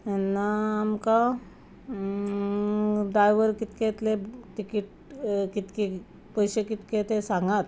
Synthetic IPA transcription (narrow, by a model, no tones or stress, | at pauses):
anːaːmka | ɖajʋəɾkit̪ket̪leʈikiʈ | kit̪ke | pəjɕekit̪ket̪esaŋɡat̪